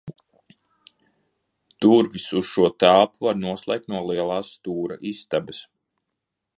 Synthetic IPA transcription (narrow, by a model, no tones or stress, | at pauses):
d̪̥uɾvisuz̥ʃuɔt̪aːpuvaɾnuɔslˠɛ̰ːk̚t̪nuɔlˠiɛlˠɑːsːt̪uːɾa̰ʔist̪abɐs